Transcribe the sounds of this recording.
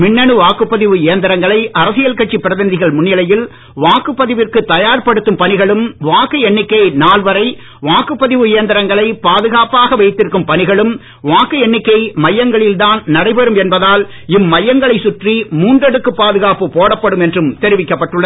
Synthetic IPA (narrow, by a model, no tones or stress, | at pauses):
mɪɳːɐɳɯʋaːkɯpːɐðɪʋɯjeːnd̪ɪɾɐŋɡɐɭɐɪʔɐɾɐsɪjɐlkɐʈt͡ʃipːɪɾɐðɐnd̪ɪɣɐɭmʊɳjɐlɐjɪl | ʋaːkɯpːɐðɪʋɪrkɯt̪ɐjaːɾpɐɽɯt̪ːɯmpɐnɪɣɐɭɯmʋaːkɯɛɳːɪkːɐɪnaːlʋɐɾɐɪ | ʋaːkɯpːɐðɪʋɯjeːnd̪ɪɾɐŋɡɐɭɐɪpaːðɯɣaːpaːɣɐʋɐɪt̪ːɪɾɯkːɯmpɐnɪɣɐɭɯm | ʋaːkɯɛɳːɪkːɐɪmɐjːɐŋɡɐɭɪld̪aːnnɐɽɐɪpɛɾɯmɛnbɐðaːl | ɪmːɐjːɐŋɡɐɭɐɪsʊʈrimuːndrɐɽɯkːɯpːaːðɯɣaːpɯpoːɽɐpːɐɽɯmɛndrɯmt̪ɛɾɪʋɪkːɐpːɐʈːɯɭːɐ